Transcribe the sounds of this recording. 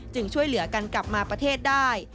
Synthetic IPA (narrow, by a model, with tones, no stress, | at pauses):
t͡ɕɯ˧ŋt͡ɕʰu˥˩əjlɯ˩˦ɐka˧nkla˨˩p̚maː˧pɾa˧t̪ʰeː˥˩t̪̚daː˥˩j